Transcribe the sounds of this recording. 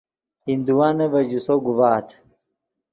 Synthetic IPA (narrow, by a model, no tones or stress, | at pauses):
hind̪uwaːnɐvɐd͡ʑusoɡuvaːt̪ʰ